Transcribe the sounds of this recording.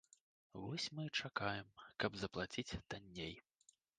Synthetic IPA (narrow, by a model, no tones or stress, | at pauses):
vɔsʲmɨt͡ʂakajɛmkɐbzɐplˠat͡sʲit͡sʲt̪anʲːej